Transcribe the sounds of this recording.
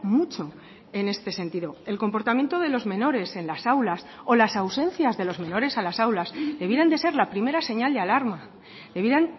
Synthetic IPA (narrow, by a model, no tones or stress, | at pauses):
mut͡ʃo̞ | e̞ne̞st̪e̞sẽ̞nt̪iðo̞e̞lko̞mpo̞ɾt̪amje̞nt̪oð̞e̞lo̞zmẽ̞no̞ɾe̞se̞nlasawlaso̞lasawsẽ̞nθjazðe̞lo̞zmẽ̞no̞ɾe̞salasawlazðe̞β̞jeɾand̪e̞se̞ɾlapɾime̞ɾase̞ɲald̪ealaɾma | dðe̞βjeɾan